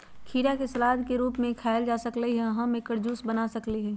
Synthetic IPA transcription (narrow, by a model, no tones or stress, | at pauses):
kʰiːɾakesɐlaːd̪ʱkeɾuːpmẽkʰaːɪld͡ʒaːsəkləiɦɛ̃ɦãmekəɾd͡ʒuːsbɐnasɐkliɦɛː